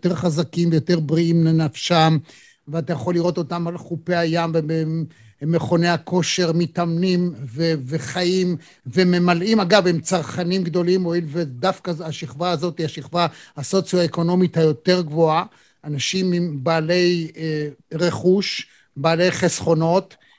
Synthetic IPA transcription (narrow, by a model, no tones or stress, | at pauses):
t̪eʁχazakimvejo̞teʁbʁiimlenafʃam | veatajaχo̞liʁo̞t̪o̞tamalχupeajamvebe | meχo̞neakʰo̞ʃe̞ʁmitamnimveveχaim | veme̞malimaɡavemt͡saʁχanimɡd̪o̞limoilvedafkaaʃiχvaːzo̞tihaʃiχvahaso̞t͡sjoaeko̞no̞mithajo̞te̞ʁɡvo̞a | ʔanaʃimimbaːle̞j | ʁe̞χuʃ | baːle̞jχesχo̞no̞t